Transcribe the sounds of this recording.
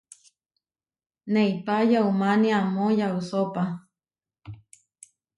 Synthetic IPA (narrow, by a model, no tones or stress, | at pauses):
neipajaumaniamojausopa